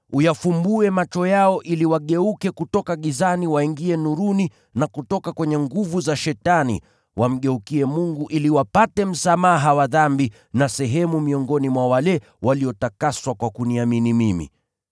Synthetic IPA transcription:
ujafumbuɛmat͡ʃɔjaɔʔiliwaɠɛukɛkutɔkaɠizaniwaiŋɡiɛnuɾuni | nakutɔkakwɛɲɛŋɡuvuzaʃɛtanḭ | wam̩ɠɛukiɛmuŋɡuʔiliwapatɛm̩samaɦawaðambi | nasɛɦɛmumiɔŋɡɔnimwawalɛ | waliɔtakaswakwakuniaminimimḭ

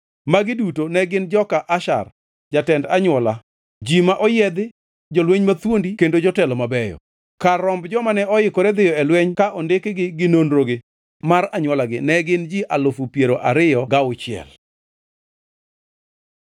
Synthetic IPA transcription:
maɡɪdutonɛɡɪnd͡ʒɔkaʔaʃa̰r | d͡ʒatɛndaɲwɔla | d͡ʒimaʔɔjɛd̪ɪ | d͡ʒɔlweɲmat̪wondikendod͡ʒɔtɛlɔmabɛjɔ̰ | kaːɔmbd͡ʒɔmanɛɔɪkoɾed̪ɪjɔɛlweɲkaʔɔndɪkɡɪɡɪnonɾoɡɪ | maɾaɲwɔlaɡɪnɛɡɪnd͡ʒiʔalʊfupjeɾoʔaɾɪjɔɡaʊt͡ʃɪɛ̰l

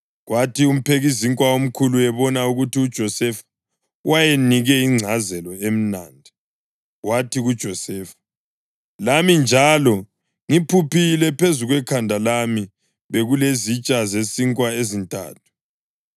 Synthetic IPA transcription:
ɣwʔatʰium̩pʰeɣiziŋkʼwaom̩kʰuluɛβɔnauɣutiud̥ʒ̥ʱɔsɛfḁ | wʔajeniɣɛiŋ͡ǀʱazɛlɔem̩naːndʱi | ɣwatʰiɣud̥ʒ̥ʱɔsɛːfḁ | lamind͡ʒʱalɔ | ŋipʰupʰilɛpʰezuɣwɛkʰandʱalami | βeɣulezit͡ʃʼazesiŋkʼwaezintʼa̰ːtʰu̥

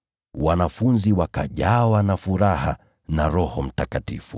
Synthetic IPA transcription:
wanafunziwakaʄawanafuɾaha̰ | naɾɔhɔm̩takatḭfu

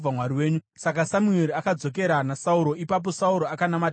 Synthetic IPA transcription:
amwaɾiwe̞ːɲusakasamue̞ɾiakad͡zo̞k̬e̞ɾanasauɾo̞ipap̬o̞sauɾo̞akanamat

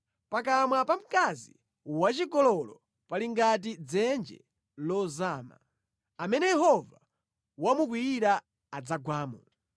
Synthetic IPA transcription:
pakamwapam̩kazḭ | wat͡ʃikɔlɔlɔ | paliŋɡat̬id͡zɛnd͡ʒɛ̰ | lɔzaːma̰ | amɛnɛjɛɦɔva | wamukwiːɾa | ad͡zaɡwaːmɔ

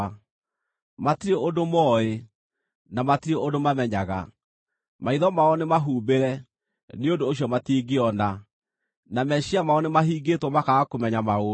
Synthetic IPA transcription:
matiɾeʔondomɔe | namatiɾeʔondomamɛɲaɣa̰ | maiðɔmaɔnemaɦuːbeɾɛ | neondoːɕ̬jɔmatiɡeɔna | namɛɕiamaɔnemaɦiːɡetwɔmakaakomɛɲamao

